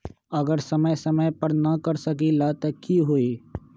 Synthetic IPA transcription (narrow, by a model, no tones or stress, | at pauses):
ɐɡəɾsɐməjsɐməjpɐɾnɐkɐɾsɐk̬ilat̪ɐkʰiɦoiː